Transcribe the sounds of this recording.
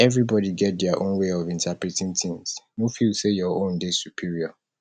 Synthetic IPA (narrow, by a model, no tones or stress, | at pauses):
ɛvɹibɔdiɡɛt̚dɛaʔõ̰nweɔvĩntʰapɹitĩŋt̪ʰĩŋsnofilsejɔõndesupʰiɹiɔ